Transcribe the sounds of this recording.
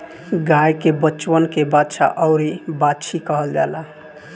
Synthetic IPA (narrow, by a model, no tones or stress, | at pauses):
ɡajkebət͡ʃwənkebatːʃʰa̰ʔəʊɾibat͡ʃʰikəɦəld͡ʒa̰la